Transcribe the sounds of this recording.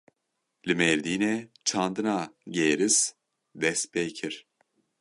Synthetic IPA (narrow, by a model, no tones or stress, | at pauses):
lʲimɛɾd̪iːnɛt͡ʃʰand̪ɯnaɟeːɾiz̥ | d̪ɛspejcʰiɾ̥